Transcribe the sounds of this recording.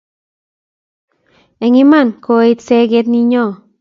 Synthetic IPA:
ɛ˨ŋɪ˦ma˦˨nko˨˦i˦t̪se˦ɡe˦t̪ni˦ɲɔ˦˨

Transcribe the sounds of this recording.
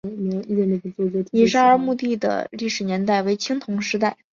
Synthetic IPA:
i˧i˥˧ɛ˧˩ne˥˩ə˧˩t͡swɔ˥˧t͡sɔ˥˧t̪ʰi˨˧˩ʂa˥ə˞˧˥mu˥˧t̪i˥˩d̪ə̰˩li˥˩ʂɻ̩˨˩njɛ˧˥nt̪a˥˩ɪwe˧˥ɪt͡ɕʰi˥ŋt̪ʰʊ˧˥ŋʂɻ̩˥t̪a˥˩ɪ

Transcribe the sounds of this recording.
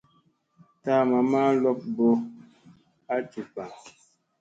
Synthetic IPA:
ta˦˨ma˨ma˦lɔ˦p̚bo˦ | a˦ti˨pa˨

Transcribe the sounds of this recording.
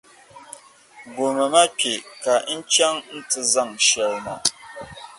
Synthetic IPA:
ɡo˨mə˨ma˦k͡pʲe˨ka˨˦t͡ʃa˦ŋn̩˦tɨ˦za˦˨ŋʃɛ˨lma̰˨

